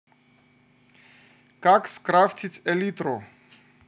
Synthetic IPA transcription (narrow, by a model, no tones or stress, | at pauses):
kakskɾaft̪ʰit̪sʰɛlit̪ɾɔ